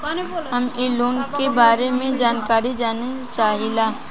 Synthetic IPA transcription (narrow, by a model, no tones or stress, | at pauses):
ɦɐmiːloːnkebaːɾemẽd͡ʒaːnkaːɾid͡ʒaːni | t͡ʃaːɦilaː